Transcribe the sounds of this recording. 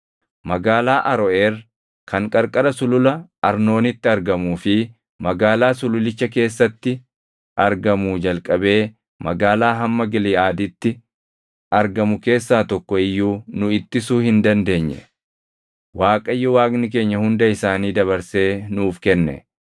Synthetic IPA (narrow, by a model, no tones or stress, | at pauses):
mɐɡaːlaːʔɐɾɔʔeːr | kʰɐŋkʼɐɾkʼɐɾɐsʊlʊlɐʔɐɾno̞ːnɪt̪ːɪɐɾɡɐmuːfɪ | mɐɡaːlaːsʊlʊlɪt͡ʃːɐk̬e̞ːsːɐt̪ːɪ | ʔɐɾɡɐmuːd͡ʒɐlkʼɐbe̞ː | mɐɡaːlaːɦɐmːɐɡɪlɪːaːd̪ɪt̪ːɪ | ʔɐɾɡɐmʊke̞ːsːaːt̪ɔkːɔɪjːuːnʊɪt̪ːɪsuːhɪnd̪ɐnd̪e̞ːɲːɛ̰ | waːkʼɐjːɔwaːkʼnɪk̬e̞ːɲːɐhʊnd̪ɐɪsaːniːd̪ɐβɐɾse̞ːnuːfkɛnːɛ̰